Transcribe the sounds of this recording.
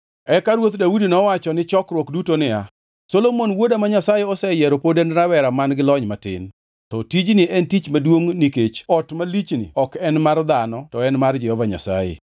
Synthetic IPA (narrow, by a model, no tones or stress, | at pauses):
ɛkaɾwot̪dawudinɔwat͡ʃɔnɪt͡ʃɔkɾwɔkdutonɪa | solomonwodamaɲasajeɔsɛjɛɾopodenɾawɛɾamanɡɪlɔɲmatɪ̰n | tɔtid͡ʒnɪʔɛntit͡ʃmadwoŋniket͡ʃɔtmalit͡ʃnɪ̰ɔkɛnmard̪anɔtɔɛnmard͡ʒɛhɔvaɲa̰sa̰jḛ